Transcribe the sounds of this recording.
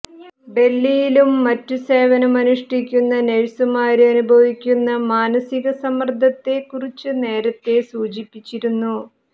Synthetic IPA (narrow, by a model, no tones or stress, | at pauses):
ɖe̞lːijilumːɐtːuse̞ːʋɐnumɐnuʂʈikʲːunːɐneɻsumaːɾuɐnubʱɐʋikʲːunːɐmaːnɐsiɣɐsɐmɐrd̪ʱːɐt̪ːe̞kːurit͡ɕːɨne̞ːɾɐt̪ːe̞suːt͡ɕipːit͡ɕːiɾunːu